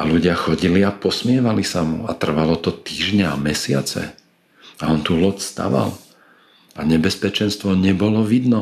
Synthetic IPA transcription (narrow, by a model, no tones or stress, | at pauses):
aluɟɪaxɔɟiliapɔsmɪɛʋalisamṵat̪r̩ʋalɔt̪ɔt̪iːʒɲɛamɛsɪa̰t͡sɛ̰ | aɔnt̪uːlɔtst̪a̰ʋa̰l | aɲɛbɛspɛt͡ʃɛnst̪ʋɔɲɛbɔlɔʋid̪nɔ